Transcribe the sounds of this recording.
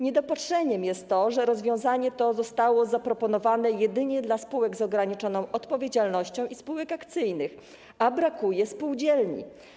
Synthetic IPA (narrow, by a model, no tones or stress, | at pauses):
ɲɛd̪ɔpatʂɛɲɛmjɛst̪ːɔʐɛɾɔzvʲjɔ̃w̃zaɲɛt̪ɔzɔst̪awɔzapɾɔpɔnɔvanɛjɛd̪ɘɲɛd̪laspuwɛɡzɔɡɾaɲit͡ʂɔnɔ̃w̃ʔɔt̪pɔvʲjed͡ʑalnɔɕt͡ɕɔ̃w̃ʔispuwɛkakt̪sɘjnɘx | abɾakujɛspuwd͡ʑɛlɲḭ